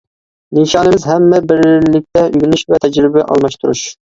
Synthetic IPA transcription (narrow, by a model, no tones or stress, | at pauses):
niʃɑːnɨmɪzɦɛmːɛbɪɾlɪk̚ʲt̪ʰɛyɡʲynyʃvɛt̪ʰɛd͡ʒɾɪbɛʔɑ̰lˠmɑʃt̪ʰuɾṵʃ